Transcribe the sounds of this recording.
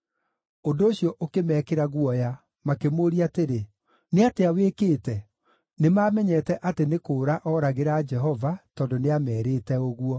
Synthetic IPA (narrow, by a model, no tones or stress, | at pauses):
ondoːɕjɔʔokemɛːkeɾaɣwɔja | makemoːɾiateɾe | neateawekeːtɛ | nemaːmɛɲɛːtɛʔatenekoːɾaʔɔːɾaɣeɾaːd͡ʒɛɦɔvatɔːndoneamɛːɾeːtɛoɣuɔ